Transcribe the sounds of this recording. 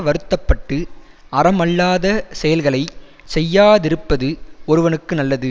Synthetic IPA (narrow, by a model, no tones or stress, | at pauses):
ʋɐɾɯt̪ːɐpːɐʈːɯ | ɐrɐmɐɭːaːðɐsɛjɐlɣɐɭɐɪ | sɛjːaːðɪɾɯpːɐðɯɔɾɯʋɐnɯkːɯnɐlːɐðɯ